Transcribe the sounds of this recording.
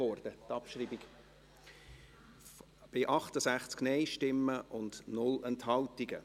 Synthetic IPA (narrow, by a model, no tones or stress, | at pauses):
ɔrd̥ət̪ɑpʃriːbiɡ | b̥ɪʔɑχtəsæχt͡sknɛɪʃtɪmːəʔʊndnʊlɛnthɑltiɡə